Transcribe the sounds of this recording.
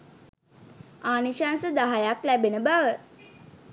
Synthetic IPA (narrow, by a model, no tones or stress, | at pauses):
aːniʃansəd̪aɦajaklæbenəbaʋə